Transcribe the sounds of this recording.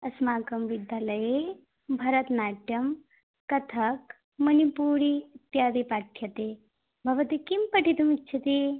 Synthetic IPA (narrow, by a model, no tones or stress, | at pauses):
ɐsmaːkɐmʋid̪jaːlɐje | bʱɐɾət̪naʈjɐm | kɐt̪ʰɐk | mɐnipuːɽiit̪jad̪ipaʈʰjɐt̪e | bʱɐʋɐt̪ikimpəʈit̪umitːt͡ʃʰɐt̪i